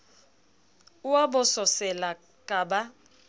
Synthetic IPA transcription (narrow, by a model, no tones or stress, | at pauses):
uwabɔsɔsɛla | kʼaːba